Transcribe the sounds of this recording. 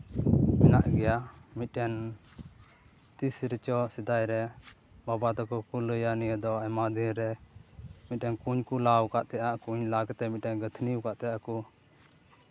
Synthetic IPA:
mɛnaʔɡɛjamiʈɛn | t̪isɾit͡ʃɔsɛd̪ajɾɛ | babat̪ɔkɔkuləjanijəd̪ɔamad̪iɾɛ | miʈɛnkuɲkulawkaʔt̪ɛjaʔkuɲlaɡt̪ɛmiʈɛnɡət̪ʰniukaʔt̪ɛjʔaku

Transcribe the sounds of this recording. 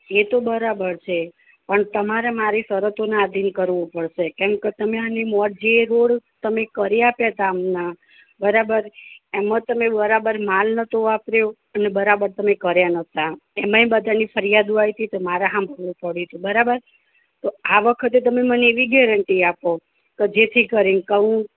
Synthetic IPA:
et̪obəɾabəɾt͡ʃʰe | pəɳt̪əmaɾemaɾisəɾət̪onaad̪ʱinkəɾʋũpəɽʃekɛ̃mket̪əmeanimɔʈ̚d͡ʒeɾoɽt̪əmekəɾeapjat̪aːmna | bəɾabəɾemət̪əmebəɾabəɾmalnət̪ʰoapɾjo | ənebəɾabəɾt̪əmekəɾjanət̪ʰaemãĩbəd̪ʱanifʰəɾijad̪uajt̪ʰit̪omaɾaɦãmbʱəɾʋũpəɽit̪ʰũbəɾabəɾ | t̪oaʋəkʰət̪et̪əmeməneeʋiɡɛɾəɳʈiapo | ked͡ʒet̪ʰikəɾinkəʋũ

